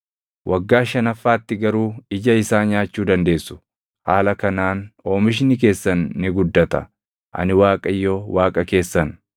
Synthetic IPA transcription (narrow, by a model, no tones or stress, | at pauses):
wʔɐɡːaːʃɐnɐfːaːt̪ːɪɡɐɾuːɪd͡ʒɐɪsaːnjaːt͡ʃːuːd̪ɐnd̪e̞ːsːʊ̥ | haːlɐkɐnaːno̞ːmɪʃ̬nɪk̬e̞ːsːɐnːɪɡʊd̪ːɐt̪ɐ̰ | ʔɐ̰nɪwaːkʼɐɪjːoːwaːkʼɐke̞ːsːɐn